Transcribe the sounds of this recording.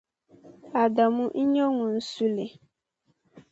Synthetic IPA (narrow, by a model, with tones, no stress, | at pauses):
a˨ɖa˨mũ˦ʔ̩˦ɲɔ˦ŋũ˨n̩˦su˦le˨